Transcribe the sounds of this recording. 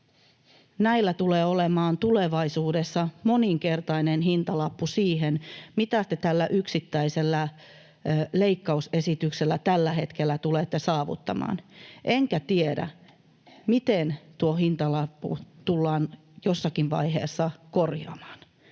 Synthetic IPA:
næilːæt̪uleːolemɑːnt̪uleʋɑisuːdesːɑmo̞niŋke̞rt̪ɑinenhint̪ɑlɑpːusiːɦenmit̪æst̪et̪ælːæʔyksit̪ːæiselːæ | leikːɑuse̞sit̪ykselːæt̪ælːæhe̞t̪kelːæt̪ulet̪ːesɑːʋṵt̪ːɑ̰mɑ̰ːnʔeŋkæt̪iedæ̰ | mit̪ent̪uohint̪ɑlɑpːṵt̪ulːɑːn | josːɑkiʋʋɑ̰iɦḛːsːɑkorjɑ̰mɑ̥ːn

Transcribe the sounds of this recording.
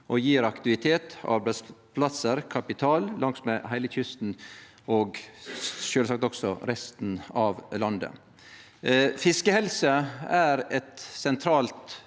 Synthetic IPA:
ʔɔjiːɾɑkt̪ɪʋɪt̪ʰeːt̪ɑ̰ɾbɛd̪spʰlɑsəɾkʰɑpɪt̪ʰɑːlːɑŋsmeːhæɪləçʏst̪n̩ | oːɡ | ʃøːlsɑkt̪ɔksɔɾɛst̪n̩ɑʋlɑnd̪ə̰ | fɪskəhɛlsəæɾɛt̪sɛnt̪ʰɾɑːlt̪

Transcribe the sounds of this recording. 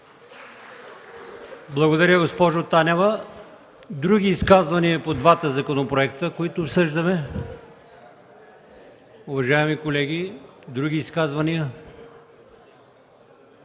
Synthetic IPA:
blˠɐɡod̪ɐɾʲəɡospɔʒot̪anʲɛvə | d̪ɾuɡʲiːskazvɐniəpod̪vat̪əzɐkonopɾoɛk̚t̪əkoit̪ʊːpsɤʒd̪əmɛ | ʊvɐʒaɛmikolɛɡʲid̪ɾuɡʲiːskazvɐniə

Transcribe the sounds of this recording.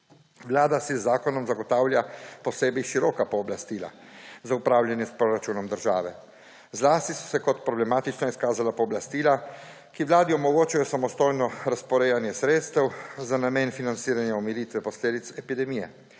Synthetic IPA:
ʋlaːd̪asizːaːkɔnɔmzaɡɔt̪aːwlʲjapɔseːbɛjʃiɾɔːkapɔːblast̪iːla̰zaupɾaːwlʲjanjɛspɾoɾat͡ʃuːnɔmd̪əɾʒa̰ːʋɛ | zlaːst̪isɔ̥sɛkɔt̪pɾɔblɛmaːt̪it͡ʃnɔiskaːzalapɔːblast̪iːla | kiʋlaːd̪iɔmɔɡoːt͡ʃajɔsamɔst̪ojnɔɾaspɔɾɛjanjɛsɾeːt̪st̪ɛwzanameːnfinant̪siːɾanjaɔmiɾit̪ʋɛpɔsleːd̪it̪sɛpid̪ɛmiːjɛ̰

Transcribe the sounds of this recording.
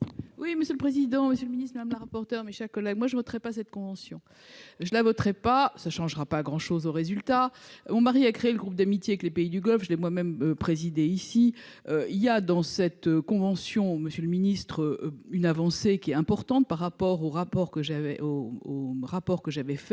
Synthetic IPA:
wiməsjøləpχezid̪ɑ̃məsjøləminist̪mad̪amlaʁapɔʁt̪œʁmeʃɛʁkɔlɛɡmwaʒəvɔt̪χɛpasɛt̪̚kɔ̃vɑ̃sjɔ̃ | ʒəlavɔt̪χɛpasaʃɑ̃ʒʁapaɡʁɑ̃ʃozoʁezylt̪amɔ̃maʁiakχeːləɡʁup̚d̪amit̪jeaɛklepeid̪yɡɔlfʒəlɛmwamɛmøpχezid̪eisi | øiljad̪ɑ̃sɛt̪økɔ̃vɑ̃sjɔ̃məsjøləminist̪χøynavɑ̃sekʲiɛt̪ɛ̃pɔʁt̪ɑ̃t̪̚paʁːapɔʁoʁapɔʁkəʒavɛooʁapɔʁkəʒavɛfɛ

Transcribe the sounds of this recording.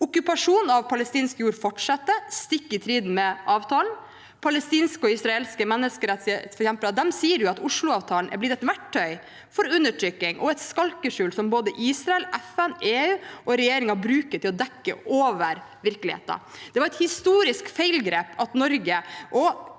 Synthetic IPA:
ʊkʉpɑʂuːnɑʋpʰɑləst̪iːnskəjuːɾfɔʈʂɑt̪ːəst̪ɪkːɪt̪ʰɾiːd̪n̩mɛʔɑːʋt̪ʰɑːln̩ | pʰɑləst̪iːnskəɔɪsɾɑeːlskəmɛnːəskəɾɛt̪sfɔɾɛksɛmpəlɑd̪ɛmsiːəɾjʊɑt̪ʊʂlʊɑːʋt̪ʰɑːln̩ʔæ̰blɪd̪ɛt̪ʋæʈʰːœʏ | fɔɾʉnːəʈʰɾʏkːɪŋʔɔ̰ɛt̪skɑlkəʂʉːlsɔmboːd̪əʔiːsɾɑɛlʔɛfæneːʉːʔɔɾɛjeːɾɪŋɑbɾʉːkət̪ʰɪlɔd̪ɛkːə̰ʔoːʋəɾ | ʋɪɾkəlɪhḛːt̪ɑ̰d̪̥ɛʋɑɾɛt̪hɪst̪uːɾɪskfeɪlɡɾeːpʰɑt̪nɔɾɡəʔɔ

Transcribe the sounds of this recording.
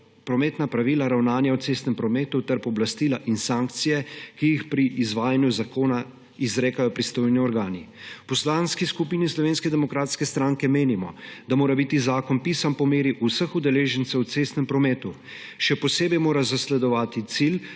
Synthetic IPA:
pɾɔmɛːt̪napɾaʋilaɾawnaːnjawt̪seːst̪nɛmpɾɔmɛːt̪ut̪ɛɾpɔblast̪iːlaʔinsaːŋkt̪sijɛkijixpɾiʔizʋaːjanjuzakoːna | izɾeːkajɔpɾist̪oːjniɔɾɡaːnipɔslaːnskiskupiːnislɔʋeːnskɛd̪ɛmɔkɾaːt̪skɛst̪ɾaːŋkɛmeːnimɔ̰d̪amoːɾabit̪izaːkɔnpiːsanpɔmeːɾiʔusəxud̪ɛleːʒənt̪səwt̪seːst̪nɛmpɾɔmɛːt̪u | ʃɛpɔseːbɛjmoːɾazaslɛd̪ɔʋaːt̪it̪sil

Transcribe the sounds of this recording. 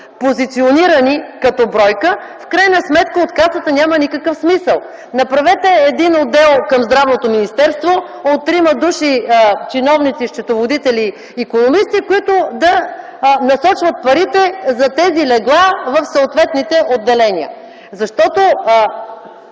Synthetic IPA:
pozit̪sioniɾənikɐt̪ɔbɾɔjkə | fkɾajnɐsmɛt̪kəot̪kasət̪ənʲamənikəkəfsmisəlˠ | nɐpɾɐvɛt̪ɛːd̪inod̪ːɛlˠkɐmzd̪ɾavnot̪ominist̪ɛɾst̪vo | ot̪ːɾimɐd̪uʃit͡ʃinɔvnit̪siʃt͡ʃ̪ɛt̪ovod̪it̪ɛliː | konomist̪ikoit̪ʊd̪ɐ | nɐsɔt͡ʃvɐt̪̚pɐɾit̪ɛzɐt̪ɛzilɛɡlˠavəfsooːt̪vɛt̪nit̪ɛʔod̪ːɛlɛnʲiə̰ | zɐʃt̪ɔt̪o

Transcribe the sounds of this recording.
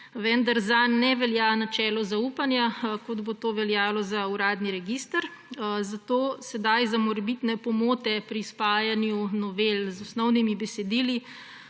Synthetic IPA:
ʋɛnd̪aɾzanːɛʋɛljanat͡ʃɛːlɔzaupanjakod̪bot̪oːʋɛljaːlɔzauɾaːd̪niɾɛɡist̪əɾ | zat̪oːsɛd̪ajzamɔɾɛbit̪nɛpɔmoːt̪ɛpɾispaːjanjunɔʋelzɔsnɔwnimibɛsɛd̪iːli

